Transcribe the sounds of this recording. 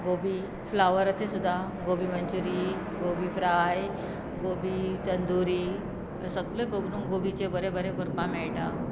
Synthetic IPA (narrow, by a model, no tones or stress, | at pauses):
ɡobiː | flaʋəɾət͡sesud̪ʱːaɡobiːməɲt͡ɕuɾi | ɡobiːfɾaj | ɡobit̪ənd̪uɾiː | səɡlekobnuŋɡobit͡ɕebəɾebəɾekoɾpãmɛɭʈa